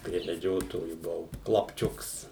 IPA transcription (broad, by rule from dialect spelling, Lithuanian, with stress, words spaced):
pʲrʲiɛ mʲɛˈd͡ʒʲoːtoːjʊ bʊˈʋɐʊ klˠɐpʲˈt͡ʃʲʊks